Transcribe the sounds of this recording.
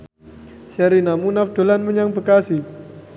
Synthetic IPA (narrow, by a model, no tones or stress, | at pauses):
sɛɾinamunafd̪̥o̤lanməɲaŋbəkasi